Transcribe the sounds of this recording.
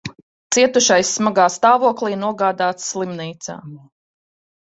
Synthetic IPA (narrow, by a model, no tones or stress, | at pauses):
t̪siɛt̪uʃajsːmaɡaːst̪aːvuɔkliːnuɔɡaːd̪aːt̪sslˠimniːt̪sa̰ː